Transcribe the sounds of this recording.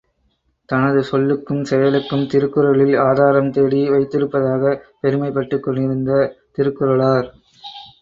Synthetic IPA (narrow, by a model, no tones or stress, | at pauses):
t̪ɐnɐðɯsɔlːɯkːɯmsɛjɐlɯkːɯmt̪ɪɾɯkːɯɾɐɭɪlaːðaːɾɐmt̪eːɽiʋɐɪt̪ːɪɾɯpːɐðaːɣɐpɛɾɯmɐɪpːɐʈːɯkːɔɳɖɪɾɯnd̪ɐt̪ɪɾɯkːɯɾɐɭaːɾ